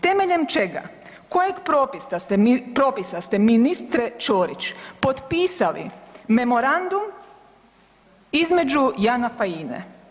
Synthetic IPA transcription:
t̪e̞me̞ʎe̞mt͡ʃe̞ɡa̰ | kojeɡpɾoːpisast̪epɾoːpisast̪e̞minist̪ɾet͡ʃoːɾit͡ʃpot̪piːsalḭme̞mo̞ɾand̪um | izme̞d͡ʒujanafaiːnḛ

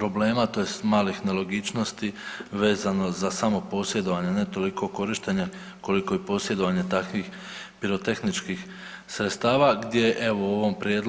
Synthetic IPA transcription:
pɾo̞ble̞ːmat̪o̞jest̪maːlixnelo̞ɡit͡ʃno̞st̪iʋe̞ːzano̞zasamo̞po̞sje̞d̪o̞ʋaɲene̞t̪o̞likʰo̞ko̞ɾiʃt̪e̞ɲe | ko̞liko̞jepo̞sjed̪oʋaɲe̞t̪akʋiːx | piɾo̞t̪e̞xnit͡ʃkix | sɾet̪st̪aːʋaɡd̪jeʔeʋoo̞ʋo̞mpɾʲjeːd̪

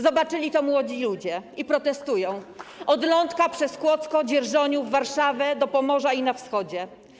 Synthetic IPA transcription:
zɔbat͡ʂɘlʲit̪ɔmwɔd͡ʑilud͡ʑɛipɾɔt̪ɛst̪ujɔ̃w̃ʔɔd̪lɔnt̪kapʂɛskwɔt̪skɔd͡ʑɛɾʐɔɲuvːaɾʂavʲɛd̪ɔpɔmɔʐainafsxɔd͡ʑɛ

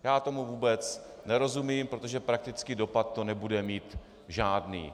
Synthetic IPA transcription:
jaːt̪o̞muvuːbɛt͡s | nɛɾo̞zumiːmpɾo̞t̪oʒɛpɾak̚t̪ɪt͡skido̞pat̪ːo̞nɛbudɛmiːt̪ | ʒaːdnḭː

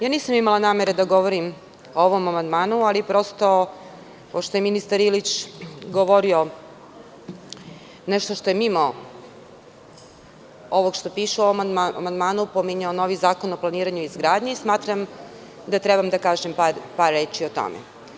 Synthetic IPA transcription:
jaːniːsamimalˠanaːme̞ɾed̪aɡoʋoɾim | ooʋomamand̪maːnualipɾo̞st̪o̞ | poʃt̪oje̞minist̪aɾilit͡ɕɡoʋoɾio̞ | neʃt̪o̞ʃt̪o̞je̞mimo | oʋoɡʃt̪opiːʃuoʋomad̪aa̰mand̪maːnupomiɲaono̞ʋizaːko̞noplˠaniːɾaɲuizɡɾaːd̪ɲeismaːt̪ɾam | d̪at̪ɾebamd̪akaːʒempaɾpaɾːeːt͡ʃiot̪o̰mḛ

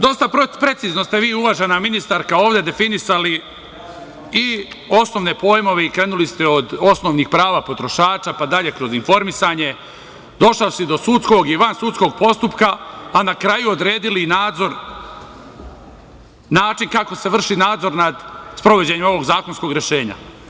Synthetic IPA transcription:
d̪o̞st̪apɾe̞t̪sizno̞st̪eʋiːuʋaʒenaminist̪aɾkao̞ːʋd̪e̞d̪e̞finisali | i | o̞sno̞ʋne̞po̞ːjmo̞ʋeikɾe̞ːnulist̪eod̪o̞sno̞ːʋnixpɾaːʋapo̞t̪ɾo̞ʃaːt͡ʃapad̪aʎe̞kɾo̞zinfo̞ɾmisaɲe̞ | d̪o̞ʃlawsid̪o̞sut̪sko̞ɡiʋansut̪sko̞ɡ̚po̞st̪upkaːnakɾajuod̪ɾe̞ːd̪ilinaːd̪zo̞ɾ | naːt͡ʃinkako̞seʋr̩ʃinaːd̪zo̞ɾnad̪spɾoʋo̞d͡ʑeɲemo̞ʋo̞ɡzaːko̞nsko̞ɡɾjeʃe̞ːɲa̰

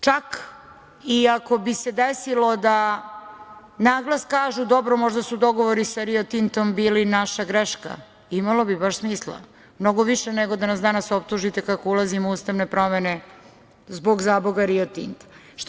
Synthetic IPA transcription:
t͡ʃak | iako̞bise̞d̪esilo̞d̪a | naːɡlaskaːʒud̪o̞bɾomo̞ʒd̪asud̪o̞ɡoʋoɾisaɾiot̪int̪o̞mbiːlinaʃaɡɾeʃka̰ | imalo̞bibaʃsmiːslˠa̰ | mno̞ɡo̞ʋiʃeneɡo̞d̪anasd̪anasop̚t̪uʒit̪ekakoulˠazimuːst̪aʋne̞pɾo̞mene̞ | zboɡzaːboɡaɾiot̪ḭnt̪ḁ | ʃ

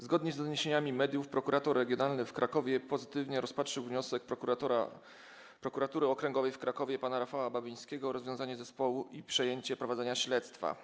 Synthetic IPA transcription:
zɡɔd̪ɲɛzd̪ɔɲeɕeɲamʲimɛd̪ʲjufpɾɔkuɾat̪ɔɾːɛɡʲjɔnalnɘfkɾakɔvʲjɛpɔzɘt̪ɘvɲɛɾɔspatʂɘwvɲɔsɛk̪̚ɔa | pɾɔkuɾat̪uɾɘɔkɾɛŋɡɔvɛjfkɾakɔvʲjɛpanaɾafawababʲij̃skʲɛɡɔɾɔzvjɔ̃w̃zaɲɛzɛspɔwuʔipʂɛjeɲt͡ɕɛpɾɔvad̪zɛɲaɕlɛt̪st̪fa̰

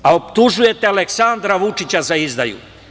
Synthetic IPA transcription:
aopt̪uʒuje̞t̪ealeksand̪ɾaʋut͡ʃit͡ɕazaizd̪a̰jṵ

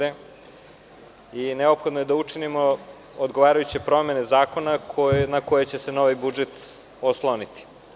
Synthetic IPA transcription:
e | ineopxod̪noje̞d̪aut͡ʂinimo | od̪ɡo̞ʋaːɾajut͡ɕepɾo̞me̞nezaːko̞naknako̞jet͡ɕe̞se̞no̞ʋijbud͡ʒet̪ | oslˠonit̪i̥

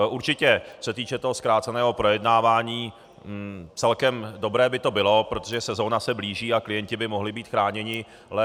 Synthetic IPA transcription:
ʔuɾt͡ʃɪcɛsɛt̪iːt͡ʃɛt̪o̞ɦoskɾaːt̪t͡sɛnɛːɦo̞pɾo̞jɛdnaːvaːɲiː | t͡sɛlkɛmdo̞bɾɛːbɪt̪o̞bɪlo̞pɾo̞t̪oʒɛsɛzo̞nasɛbliːʒiːaklɪjɛncɪbɪmo̞ɦlɪbiːt̪xɾaːɲɛɲɪ | lɛ

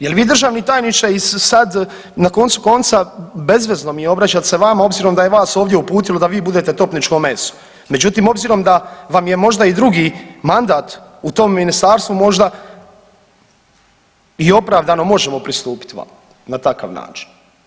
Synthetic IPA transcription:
je̞lʋiːd̪r̩ʒaːʋnit̪aːjnit͡ʃaisad̪ | nako̞nt̪suko̞nt̪sabe̞zʋe̞zno̞mijeo̞bɾat͡ɕat̪seʋamao̞bziːɾo̞md̪ajeʋaːso̞ːʋd̪je̞upuːt̪ilod̪aʋiːbud̪e̞t̪e̞t̪o̞pnit͡ʃko̞me̞so̥ | me̞d͡ʒut̪imo̞bziːɾo̞md̪aʋamje̞mo̞ʒd̪aid̪ɾuɡimand̪aːt̪ut̪o̞mːinist̪aːɾst̪ʋumo̞ʒd̪a | io̞pɾaːʋd̪ano̞mo̞ʒemo̞pɾist̪uːpi̥t̪a̰ | nat̪aka̰ʋna̰ːt͡ʃi̥n

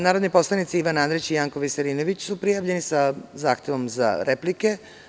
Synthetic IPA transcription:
naːɾod̪nepo̞slˠanit̪siiʋanand̪ɾit͡ɕijaːŋkoʋiseɾiːnoʋit͡ɕsupɾijavʎenisazaːxt̪eʋo̞mza̰ɾeplike̞

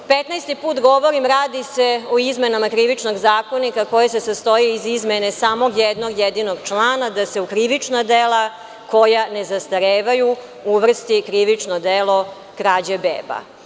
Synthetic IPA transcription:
pet̪najst̪ipuːt̪ɡo̞ʋoɾimɾaːd̪ise̞oizmenamakɾiʋit͡ʃno̞ɡzaːko̞nikako̞jesesast̪o̞jiːzizmenesaːmo̞ɡjɛd̪no̞ɡjed̪ino̞ɡt͡ʃlˠaːnad̪ase̞ukɾiʋit͡ʂnad̪elˠa | ko̞jane̞zast̪aɾeːʋaju | uʋr̩st̪ikɾiʋit͡ʂnod̪elˠo̞ | kɾaːd͡ʑebḛːba̰

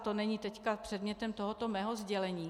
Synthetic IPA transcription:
t̪o̞nɛɲiːt̪ɛckapr̥ɛd̪mɲɛt̪ɛmt̪oɦot̪o̞mɛːɦozɟɛlɛɲiː

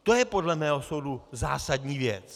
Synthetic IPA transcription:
t̪o̞jɛpo̞dlɛmɛːɦo̞sowduza̰ːsadɲiːvjɛ̰t͡s

